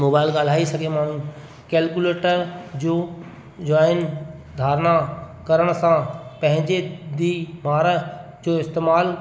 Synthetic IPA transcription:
moːbaːɪlɡaːl̤aːisɐɡʱemaːɳ̤ũ | kɛːlkuleːʈəɾd͡ʑoː | d͡ʑɔːɪn | d̪ʱaːɾna | kɐɾəɽ̃əsãpɐ̃ɦɪ̃ɲd͡ʑed̪imaːɾə | d͡ʑoːɪst̪eːmaːl

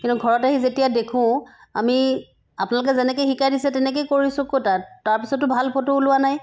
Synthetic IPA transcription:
kintuɡʱɔɹɔtaɦizetijadekʰʊ̃a̰mi | apʊnalʊkɛzɛnɛk̬ejxikadisɛtɛnɛk̬ejkoɹisʊ̃kotataɹpisɔtːʊbʱalpʰotoulʊwanaj

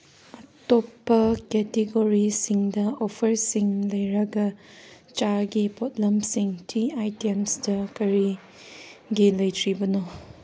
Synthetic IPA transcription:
ɐtopːɐkɛteɡoɾisiŋdɐopʰɐɾsiŋlɐjɾɐɡɐ | t͡ʃaɡipot̚lɐmsiŋtʰiajtemsdɐkɐɾi | ɡilɐjtʰɾibɐno

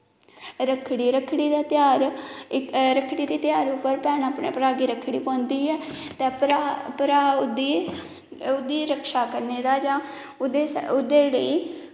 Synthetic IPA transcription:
ɾəkʰɽiːɾəkʰɽiːd̪aːt̪ɪjaːɾɪɾəkʰɽiːd̪iːt̪ɪjaːɾʊpːəɾpɛːnaːpɳeːpɾaːɡiːɾəkʰɽiːpãːnd̪iːɛːt̪eːpɾapɾaːʊd̪iː | ʊd̪iːɾəkʰʃaːkəɾneːd̪aːd͡ʒãː | ʊd̪eʊd̪eːləiː

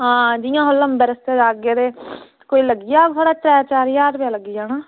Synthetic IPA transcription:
ɦãːd͡ʒɪjãːɦoləmbeːɾəst̪eːd͡ʒaːɡjaːd̪eː | koːiːləɡijaːt̪ʰaːɽaːt̪ɾɛːt͡ʃaːɾjaːɾbjaːləɡijaːnaː

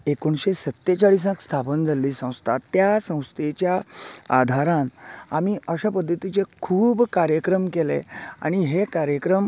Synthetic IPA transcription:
ekoɳɕesət̪ːjet͡ɕaɽis̬ãkst̪ʰapənd͡zʱalːiːsə̃w̃st̪ʰat̪ːjasə̃w̃st̪ʰet͡ɕjaad̪ʱaɾãnamiːəɕapəd̪ʱːət̪it͡sekʰuːbkaɾjəkɾəmkelḛa̰ɽ̃iɦekaɾjəkɾəm

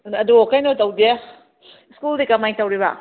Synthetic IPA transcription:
ɐduɔkajnɔtɐwde | skuldikɐmajntɐwɾiba̰

